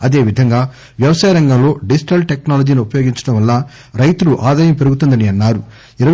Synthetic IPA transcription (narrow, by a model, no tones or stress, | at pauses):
ɐd̪e̞ːʋid̪ʱɐŋɡaː | ʋjɐʋɐsaːjɐɾɐŋɡɐmlo̞ːɖid͡ʒiʈɐlʈeknaːlɐd͡ʒiːniupɐjoːɡiɲt͡ʃɐ̥ʈɐmʋɐlːɐ | ɾɐjt̪uluʔaːd̪aːjɐmpe̞ɾuɡut̪und̪ɐniɐnːaːɾu | iɾɐ